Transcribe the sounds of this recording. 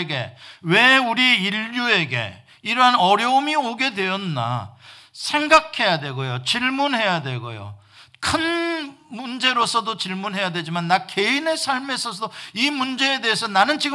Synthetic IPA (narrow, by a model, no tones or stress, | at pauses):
ɡe̞̰we̞uɾiiʎːue̞ɡe̞̰ | iɾʌɦanʌɾjʌumioɡe̞dwe̞jʌnːa̰ | sʰe̞ŋɡakʰe̞jadwe̞ɡojot͡ɕiɭmunɦe̞jadwe̞ɡo̰jo̰ | kʰɯnmund͡ʑe̞ɾosʰʌdot͡ɕiɭmunɦe̞jadwe̞d͡ʑimanːake̞inesʰaɭme̞sʰʌsʰʌimund͡ʑe̞ede̞ɦesʰʌnanɯnt͡ɕiɡɯ